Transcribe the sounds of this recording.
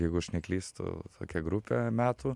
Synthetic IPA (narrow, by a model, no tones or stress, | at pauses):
jɛɪɡʊʃʲnʲɛklʲiːst̪ʊ̰t̪ʰo̰ːkʲɛɡɾʊpʲemʲæːt̪ʊː